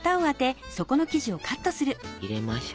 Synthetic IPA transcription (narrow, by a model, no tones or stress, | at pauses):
t̪aoβat̪e̞so̞ko̞no̞kʲiʑio̞kʰat̪ːo̞sɨɾɯ̟iɾemaɕ